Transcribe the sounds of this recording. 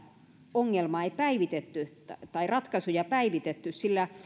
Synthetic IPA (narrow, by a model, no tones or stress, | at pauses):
oŋːelmɑeipæiʋit̪et̪ːy | t̪ɑirɑt̪kɑsujɑpæiʋit̪et̪ːyssilːæ